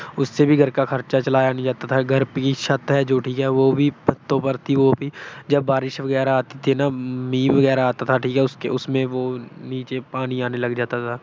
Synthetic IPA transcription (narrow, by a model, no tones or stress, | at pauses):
ʊsːebʱiɡʱɐɾkaxɐɾt͡ʃat͡ʃɐlaːjanĩd͡ʒaːt̪at̪ʰaɡʱɐɾpkiʃɐt̪ɦɛd͡ʒoːʈʰiːkɦɛʋobʱibɐt̪ːõpɐɾt̪ʰiʋobʱid͡ʒɐbːaːɾɪʃʋɐɡɛːɾaaːt̪it̪ʰinamĩːʋɐɣɛːɾaaːt̪at̪ʰaʈʰiːkɦɛʊskḛʊsmẽʋoːniːt͡ʃepaːniaːnelɐɡd͡ʒaːt̪at̪ʰaː